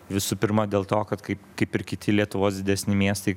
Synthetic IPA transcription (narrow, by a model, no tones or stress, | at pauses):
ʋʲɪsuːpʲɪɾmɐd̪ʲeːlˠt̪oːkɐt̪kɐɪpkɐɪpɪɾkʲɪt̪ʲɪlʲiɛt̪ʊʋoːsd̪ʲɪd̪ʲɛsʲnʲɪmʲiɛst̪ɐɪ